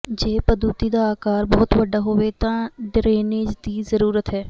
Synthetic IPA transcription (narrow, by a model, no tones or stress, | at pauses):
d͡ʒeːpəd̪uːt̪iːd̪aːaːkaːɾbɔːt̪ʋəɖaːɦoːʋeːt̪ãːɖɾeːneːd͡ʒd̪iːzəɾuːɾət̪ɦɛː